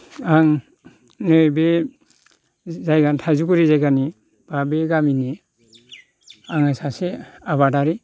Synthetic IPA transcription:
aŋ | nɯjbe | zajɡantʰazuɡuɾizajɡani | b̥abeɡamini | aŋasaseaβadaɾi

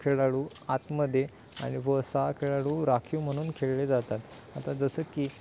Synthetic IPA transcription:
kʰeɭaɭuː | at̪məd̪ʱje | a̰ɽ̃iʋəsakʰeɭaɭuːɾakʰuːm̤əɽ̃uːnkʰeɭled͡zat̪at̪ | at̪ad͡zəsəːkiː

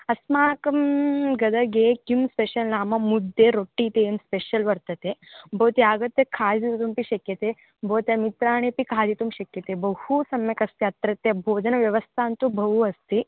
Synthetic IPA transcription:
ɐsmaːkɐmɡɐd̪ɐɡeːkimspeʃɐlnaːmɐmud̪ːeɾoʈːiːt̪emspeʃɐlʋɐɾt̪ɐt̪ebʱoːt̪jaːɡɐt̪ːjɐkʰaːd͡ʒ̪it̪t̪umpiʃɐkjɐt̪e | bʱoːt̪jɐmit̪ɾaːɳepikʰaːd̪it̪umʃɐkjɐt̪ebɐhusɐmjɐkɐst̪iɐt̪ɾɐt̪ːjɐbʱoːd͡ʒɐnɐʋjɐʋɐst̪ʰaːnt̪ubʱɐʋuɐst̪i

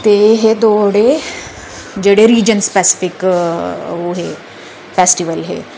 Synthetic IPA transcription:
t̪eɦed̪oɽe | d͡ʑeɽeɾiːd͡ʑənspɛsi̥fik | ʋoɦe | fesʈiʋəlɦḛ

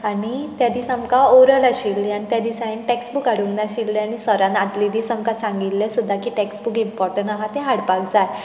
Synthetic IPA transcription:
aɽ̃it̪jad̪isamkaoɾəlaɕilːianit̪jad̪isajinʈeksbukaɽuŋnaɕilːiaɽ̃isəɾãnad̪lid̪isamkasãŋɡilːesud̪ʱːakiʈeksbukimpɔɾʈənaɦat̪eɦaɽpakd͡zaj

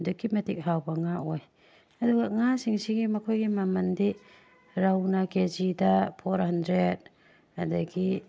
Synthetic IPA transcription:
dukimetik̚ɦawbaŋaɔj | ɐduɡaŋasiŋsiɡimɐkʰojɡimamɐndi | ɾawnakezidapʰoɾhandɾed̚ | adaɡi

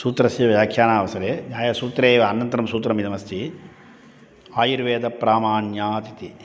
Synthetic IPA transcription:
suːt̪ɾɐsiːʋɐjaːkʰjaːnaːʋɐsɐɾeːnjaːjɐsuːt̪ɾeːʋɐɐnɐnt̪ɐɾɐmsuːt̪ɾɐmid̪ɐmɐst̪ʰi | aːjiɾʋeːd̪ɐpɾaːmaːnjaːt̪it̪i

